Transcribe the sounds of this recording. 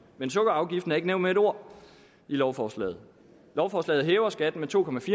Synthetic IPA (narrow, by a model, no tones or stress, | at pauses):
mensɔ̽ɡ̥ɐɑ̈ʊɡ̥ifd̥n̩æɐe̝ɡ̥əneʊ̰nmeeɾ̥o̝ɐ̰ | ilɒʊfɒslɛ̰ːð̞̩ˠ | lɒʊfɒːslɛ̰ːð̩ˠɦeːʊɐsɡ̥æd̥n̩met͡sʰo̝̰ːkʰɒ̽mæfiː